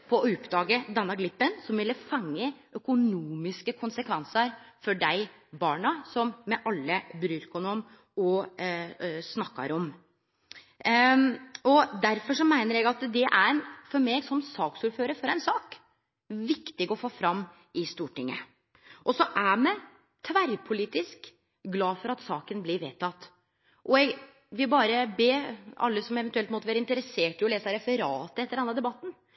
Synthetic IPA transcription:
pʰɔʊpːd̪ɑːɡəd̪ɛnːɑɡlɪpːənsɔmʋɪlːəfɑŋːəʔœkʊnuːmɪskəkʰʊnsəkʰʋɛnsəɾfɔɖæɪ | bɑːɳɑsɔmːɛʔɑlːəbɾyːɾkʊnum | ɔ | snɑkːɑ̰ɾɔm | ɔd̪æɾfɔʂɔmæɪnəɾɛɡɑt̪d̪ɛʔæɾfɔɾmɛɡsɔmsɑːksʊɾføːɾəɾfɔɾæɪnsɑːk | ʋɪkt̪ɪɡɔfoːfɾɑmː | ɪst̪uːʈɪŋːə̰ | ʔɔsɔʔæmɛ | t̪ʰʋæɾpʰʊliːt̪ɪsk | ɡlɑːfɔɾɑt̪sɑːkənblɪɾʋeːt̪ʰɑt̪ː | ʔɔɛɡ | ʋɪlbɑːɾəbeːɑ̰lːəsɔmɛʋɛnt̪ʉɛlt̪mɔt̪ːəʋæːɾəɪnt̪əɾɛseːʈəjʊleːsɑɾɛfəɾɑːt̪əɛt̪ːəɾɖɑnːɑd̪ɛbɑt̪ːn̩

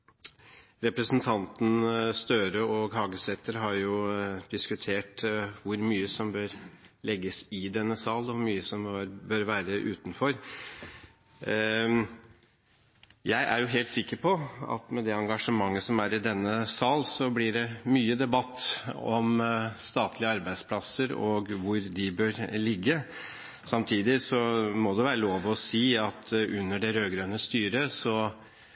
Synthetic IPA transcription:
ɾɛpɾəsn̩t̪ʰɑnt̪n̩st̪øːɾəɔɡɦɑːɡəsɛt̪əɾɦɑɾjʊd̪̥ɪskʉt̪ʰeːʈʋʊɾmyːəsɔmbøːɾ | lɛɡːəsɪd̪ɛnːəsɑːlɔmyːəsɔmøɾbøːɾʋæːɾəʔʉːt̪nfɔɾ | jæɪʔæ̰ɾjʊɦeːlt̪sɪkːəɾpʰɔɑ̰t̪mɛd̪ɛɑŋɡɑʂəmɑŋːəsɔmæɾɪd̪ɛnːəsɑːlsɔblɪɖɛmyːəd̪ɛbɑt̪ːɔmst̪ɑːt̪ʰlɪəɑɾbæɪd̪spʰlɑsəɾɔɡʋʊɾd̪ɪbøːɾlɪɡːə | sɑmt̪ʰiːd̪ɪsɔmɔd̪ɛʋæːɾəloːʋɔsiːɑt̪ʔʉnːəɖɛɾøːɡɾønəst̪yːɾəsɔ

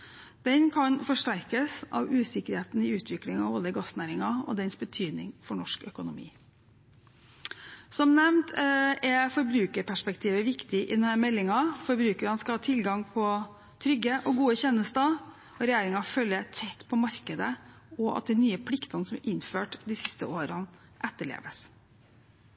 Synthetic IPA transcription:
d̪̥ɛnkʰɑnfɔʂʈæɾkəsʔɑ̰ʋʉːsɪkəɾheːt̪nɪʉːt̪ʰʋɪklɪŋɑ̰ʋoːləɡɑsnæːɾɪŋɑɔ̰d̪ɛnsbət̪ʰyːd̪nɪ̰ŋfɔɳɔʂkœkʊnʊmḭː | sɔmnɛmt̪ʰɛfɔɾbɾʉːkəɾpʰæʂpɛkt̪ʰiːʋəʋɪkt̪ɪʔɪ̰d̪ɛnhæɾmɛlːɪŋɑfɔɾbɾʉːkəɾɑnskɑhɑːt̪ʰɪlɡɑŋpʰɔ | t̪ʰɾʏɡːəʔɔɡuːəçɛnːəst̪ə | ɔɾɛjæːɾɪŋɑfœlːət̪ʰɛt̪ːpʰɔmɑɾkəd̪ə | ɔʔɑ̰t̪̚d̪ɛnyːəpʰlɪkt̪ɑnəsɔmʔɪnføːʈd̪ɪsɪst̪əʔoːɾɑn | ʔɛt̪ːəɭḛːʋəs

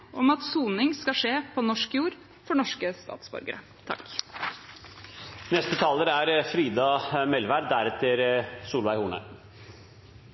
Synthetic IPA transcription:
ʔɔmɑt̪suːnɪŋskɑʂeːpʰɔnɔʂkjuːɾ | fɔɳɔʂkəst̪ɑ̰ːt̪sbɔ̰ɾɡə̰ɾə | t̪ʰɑ̰k | nɛst̪ət̪ʰɑːləɾæɾfɾiːd̪ɑmɛlʋæɾd̪æɾɛt̪əɾsuːlʋæɪhuːnə̰

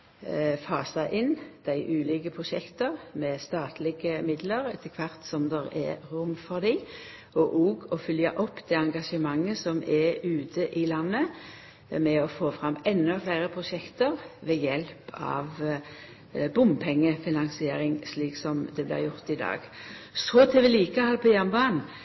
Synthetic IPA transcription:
fɑːsɑʔɪnd̪̥æɪʔʉːliːkəpʰʁʊʃɛkt̪əʁmɛst̪ɑːt̪ʰlɪɡəmɪd̪ləɾɛt̪ʰəkʰʋɑʁt̪sɔmd̪ɛʁɛ̰ɾʊmfɔʁd̪i | ɔʔoːɡɔfʏljɑʔɔpːd̪ɛɑŋɡɑʃəmɑŋːəsɔmɛʉːt̪ʰəʔɪlɑnːə | mɛɔfoːfɾɑmːɛnːɔflæːɾəpʰʁʊʃɛkt̪əʁʋɛjɛlpʰɑ̰ʋ | bʊmpʰɛŋːəfɪnɑŋsɪeːɾɪŋsliːksɔmd̪ɛblɪ̰ːʁjʊʁt̪ɪd̪ɑ̰ːɡsɔt̪ʰɪʋɪliːkəhɑlpʰɔjænbɑːn

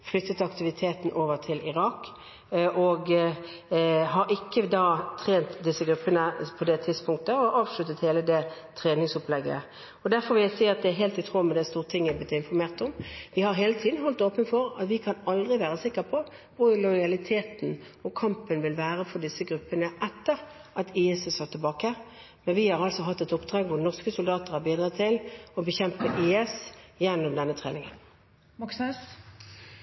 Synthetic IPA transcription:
flʏt̪ːət̪ɑkt̪ɪʋɪt̪ʰeːt̪n̩ʔoːʋəʁt̪ʰɪlɪʁɑːk | ʔɔɡ | ɦɑɾʔɪkːəd̪ɑːt̪ʰʁeːnt̪d̪ɪsːəɡɾʉpːənəpʰɔd̪ɛt̪ʰɪd̪spʰʊŋk̚t̪əɔʔɑːʋʂɭʉt̪ːət̪heːləd̪ɛ | t̪ʰʁeːnɪŋsʊplɛɡːə̰ | ɔd̪æɾfɔɾʋɪsiːəɑt̪d̪ɛæɦɛːlt̪ɪt̪ʰʁoːmɛd̪ɛst̪uːʁət̪ʰɪŋːæb̪ɪt̪ːɪnfɔɾmeːʁt̪ʊmʋɪhɑɾɦeːlət̪ʰiːd̪n̩ɦɔlt̪oːpənfɔɾɑt̪ʋɪkʰɑnɑld̪ʁɪʋæːʁəsɪkːəpʰɔ | ʋʊlʊʏjɑlɪt̪ʰeːt̪n̩ | ɔkʰɑmpənʋɪlʋæːʁəfɔd̪ɪsːəɡʁʉpːənəʔɛt̪ːəɾ | ʔɑt̪iːɛsəsɑt̪ʰɪlbɑːkə | mɛnʋɪhɑʁɑlsɔɦɑt̪ːɛt̪ʊpd̪ʁɑːɡʋʊʁnɔʁskəsʊld̪ɑːt̪əʁhɑɾbiːd̪ʁɑt̪t̪ʰːɪlɔbəçɛmpəʔiːɛsjɛnːɔmd̪ɛnːət̪ʰʁḛːnɪŋə̰n | k

